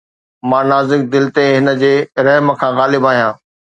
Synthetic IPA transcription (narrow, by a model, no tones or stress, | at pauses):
mãːnaːzɪk̚d̪ɪlt̪eɦɪnə̆d͡ʑeːɾɐɦməkʰãːɣaːlɪbaːɦijãː